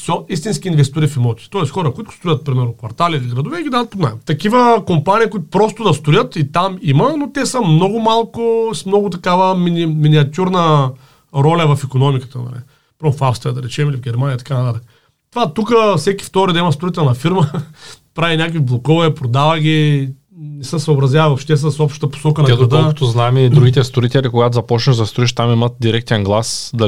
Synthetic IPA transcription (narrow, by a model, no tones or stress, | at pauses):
sɔist̪inskʲiːnvɛst̪uɾifimɔt̪ʲi̥t̪ɔɛsxɔɾəkʊit̪ʊ̥st̪ɾʊjət̪̚pɾimɛɾnʊkvɐ̰ɾt̪aliːliɡɾɐd̪ʊvɛɡʲid̪ad̪ət̪pozna̰jt̪ɐkivəkompanʲiːkʊit̪ʊ̥pɾɔst̪ʊd̪ɐst̪ʊjət̪it̪amimɐnot̪ɛsəmnɔɡʊmalˠkʊsmnɔɡʊt̪ɐkavəminʲiminʲiɐt̪ʲuɾnə | ɾɔlʲəvɐfikonɔmikə̥t̪ənɐ̰lḭ | pɾɔfafst̪ɾiəd̪ɐɾɛt͡ʃɛmilivɡʲɛɾmaniəit̪ɐ̥kanɐt̪at̪əkə | t̪ovat̪ukəfsɛkʲi̥ft̪ɔɾid̪ɐimɐst̪oɾit̪ɛlˠnɐfiɾməpɾavinʲakviblˠokɔvɐɛpɾod̪avəɡʲi | nɛsəsɐʊːbɾɐzʲjavəvɐfʃt̪ɛst̪sɔpʃt̪ət̪əpo̥sɔkənɐɛɡ̪d̪okət̪oznaɛmid̪ɾuɡʲit̪ɛst̪oɾit̪ɛlʲikoɡat̪ozɐpɔt͡ʃnəʒzɐst̪ɾʊiʃt̪amimət̪̚d̪iɾɛk̚t̪ɛnɡlˠasd̪ɐ